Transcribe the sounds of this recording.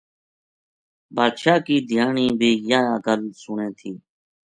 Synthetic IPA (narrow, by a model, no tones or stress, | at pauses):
baːd̪ʃaːkiːd̪ʱjaːɳiːbʱiːjaːɡəlsʊɳẽːt̪ʰiː